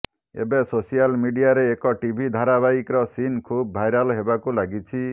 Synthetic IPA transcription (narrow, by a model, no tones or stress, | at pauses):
ḛbesosijalmiɖijaɾeːkɔʈibʱid̪ʱaɾabaikɾɔsinkʰubːʱajɾalɦebakulaɡit͡ʃʰi